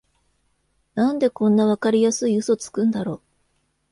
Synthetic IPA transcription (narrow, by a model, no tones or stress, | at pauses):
nãnd̪e̞kõ̞nːaβ̞akaɾʲijasɨiɯ̟so̞t͡sɨ̥kɯ̟̃nd̪aɾo̞ː